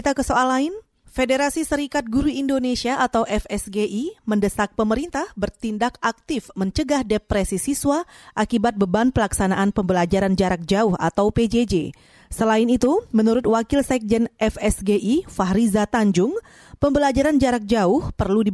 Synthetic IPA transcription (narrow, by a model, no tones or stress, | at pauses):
it̪akəsoalaɪn | fedeɾasisəɾikat̪̚ɡuɾuindonesiaʔat̪awʔɛfɛsɡeʔiməndəsak̚pəməɾint̪ahbərt̪indakak̚t̪ɪfməɲt͡ʃəɡahdepɾɛsisiswaʔakibat̪̚bəbanpəlaksanaʔanpəmbəlad͡ʒaɾand͡ʒaɾak̚d͡ʒaʊha̰t̪awped͡ʒed͡ʒe | səlaɪnit̪umənuɾʊt̪wakɪlsɛk̚d͡ʒɛnʔɛfɛsɡeʔifaɦɾizat̪aɲd͡ʒʊŋ | pəmbəlad͡ʒaɾand͡ʒaɾak̚d͡ʒaʊhpərludi